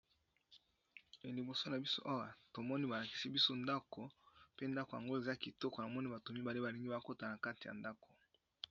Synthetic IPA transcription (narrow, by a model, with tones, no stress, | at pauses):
e˨li˨bo˨so˦na˨bi˦so̰˦ʔa˦wa˦to˨mɔ˦ni˦ba˨la˨ki˨si˦bi˦so˦nda˦ko˨pe˦nda˦ko˨ja˨ŋɡo˦e˨za˦ki˨tɔ˦ko˨na˨mɔ˦ni˦ba˨to˨mi˦ba˨le˦ba˨li˨ŋɡi˦ba˨ko˦ta˨na˨ka˦ti˨ja̰˨nda˦ko˨